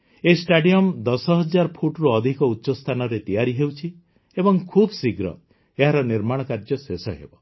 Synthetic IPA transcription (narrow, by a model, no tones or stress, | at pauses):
esʈaɖijɔmd̪ɔsɔɦɔd͡ʒaɾpʰuʈɾuɔd̪ʱikɔutːʃɔst̪ʰanɔɾet̪ijaɾiɦewt͡ʃʰi | ebɔŋkʰubsiɡɾɔ̰ | eɦaɾɔniɾmaɽ̃ɔkaɾd͡ʒɔsesɔɦḛbɔ